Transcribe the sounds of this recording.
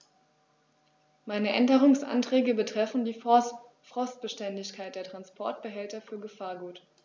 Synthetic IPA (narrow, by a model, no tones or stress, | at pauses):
maɪnəʔɛndəʁ̞ʊŋsʔa̰ntʁ̥ɛːɡəbətʁ̥ɛfn̩diː | fʁ̥ɔst̚b̥əʃtɛndɪçkʰaɪt̚d̥eːɐtʁ̥anspʰɔɐt̚b̥əɦɛltɐfyːɐɡəfaːɐɡuːt